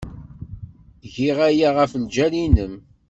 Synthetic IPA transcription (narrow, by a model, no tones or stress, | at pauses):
ʝiʁæjaʁəfld͡ʒælinəm